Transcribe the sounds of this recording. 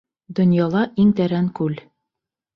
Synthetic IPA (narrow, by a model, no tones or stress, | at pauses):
d̪ŏnjɑlˠɑʔiŋt̪æɾæŋkʉl